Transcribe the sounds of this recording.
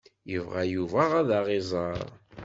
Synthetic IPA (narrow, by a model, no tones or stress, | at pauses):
jəvʁæjuvæʁæðaʁɪzˤɑɾˤ